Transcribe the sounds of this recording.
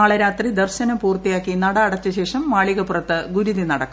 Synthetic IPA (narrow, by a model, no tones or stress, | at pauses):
aːɭɐɾaːt̪rid̪ɐrɕɐnɐpuːrt̪ijaːkːinɐɽɐːɽɐt͡ɕːɨɕe̞ːʂɐmːaːɭiɣɐpurɐt̪ːɨɡuɾuðinɐɽɐkː